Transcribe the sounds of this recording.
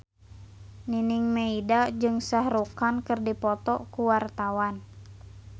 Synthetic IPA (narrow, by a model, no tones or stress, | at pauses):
niniŋmeidad͡ʒɨŋsahɾukankɨrdipɔt̪ɔkuwart̪awan